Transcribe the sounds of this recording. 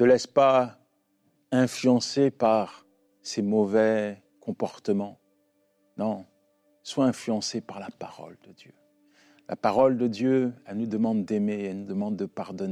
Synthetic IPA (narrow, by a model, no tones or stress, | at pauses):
səlɛspa | ɛ̃flyɑ̃sepaʁ | semɔvɛ | kɔ̃pɔʁt̪əmɑ̃ | nɔ̃ | swaɛ̃flyɑ̃sepaʁlapaʁɔ̰ld̪əd̪jø | lʔa̰paʁɔld̪əd̪jøɛlnud̪əmɑ̃d̪d̪ɛmeɛlnud̪əmɑ̃d̪ːəpaʁd̪ɔne